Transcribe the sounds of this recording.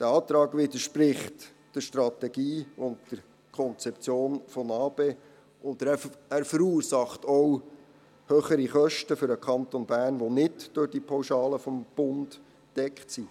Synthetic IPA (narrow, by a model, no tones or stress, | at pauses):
d̥æɑːt̪ɾɑːɡʋɪd̪əʃpɾɪχt | d̥əʃtɾɑt̪ɛɡ̥iːʊntd̥əɾ | kʰɔnt͡sɛp̚t͡sjoːnfɔnɑːbeː | ʊnd̪ææːɾfəɾuːɾsɑχtɔw | høːχəɾiχœʃtəfʏɾəkʰɑnt̪onbæːɾnʋonɪtd̥ʊɾd̥ipʰawʃɑːləfɔmb̥ʊnd | d̥ɛkχtsi